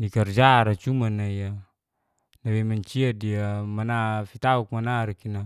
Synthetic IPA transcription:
nikard͡ʒaɾat͡ʃumanaija | nawɛmaɲt͡ʃiadiamanafit̪auk̚manaɾakina

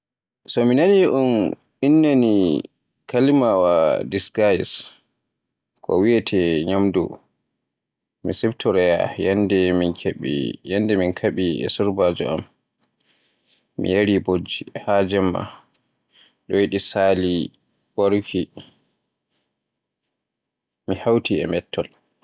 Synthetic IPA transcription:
sɔminaniʔun | inːani | kʰalimawadiskajs | kʰɔ̰wijɛtʰɛɲamdɔ̰ | misɛbtɔɾɛja̰jandɛminkʰeɓḭjandɛminkʰaɓiɛ̰suɾbad͡ʒɔ̰a̰m | mḭjaɾibod͡ʒːihad͡ʒɛmːa̰ | ɗɔjiɗisaːli | waɾukʰi | mihawtiɛ̰mɛtʰːɔl

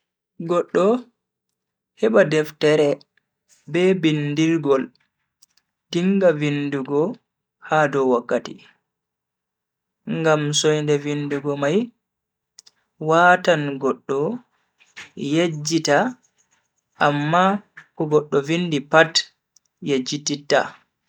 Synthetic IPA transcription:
ɡɔɗːɔ | hɛɓadɛftɛɾɛ | bɛbindiɾɡɔl | diŋɡavinduɡɔ | hadɔwakːatḭ | ŋɡamsɔjndɛvinduɡɔmaj | waːtanɡɔɗːɔ | jed͡ʒːita | ʔamːakɔɡɔɗːɔvindipat | jed͡ʒːititːa̰

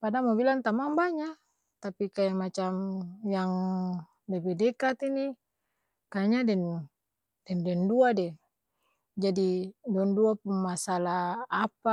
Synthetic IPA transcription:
padamɔbilant̪amaŋbaɲa | t̪apikajamat͡ʃamjaŋ | dɛbɛdɛkat̪ini | kaɲadɛn | d̥ɛndɛnduadɛ | d͡ʒadiduɔnduapuŋmasalaapa

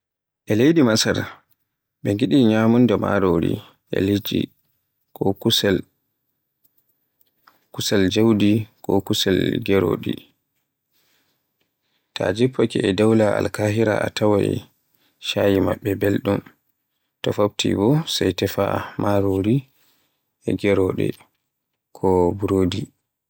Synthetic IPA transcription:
ʔɛlejdimasaɾ | ɓɛŋɡiɗiɲaːmundama̰ɾoɾḭ | ʔɛ̰lid͡ʒḭ | kɔkus | kusald͡ʒawdikɔkusɛlɡɛɾo̰ɗḭ | tʰa̰d͡ʒipʰːakɛɛdawlaalkaɦiɾa̰atawaj | ʃajimaɓːɛbelɗum | tɔfab̚tʰḭbɔsajtɛfamaɾoɾi | ɛɡɛɾɔɗɛ̰ | kʰɔbuɾoːdi

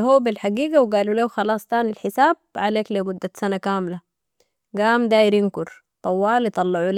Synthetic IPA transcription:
ɦuːbilħaɡiːɡawɡaːlulawxɑlɑːsˤt̪aːnilħɪsaːb̥̚ʕaleːklemud̪ːasanakaːmla | ɡaːmd̪aːjɪɾɪnkʊɾ | t̪ˤɑwːɑːljt̪ˤɑlːɑʕul

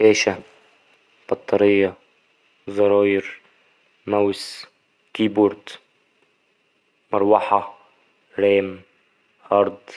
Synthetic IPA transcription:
eːʃa | b̥ɑt̪ˤːɑɾɪjːɑ | zˤɑɾˤɑːjɾ | maws | kiːbuɾt̪ | mɑɾˤwɑħɑ | ɾeːm | hɑɾˤd̪ˤ

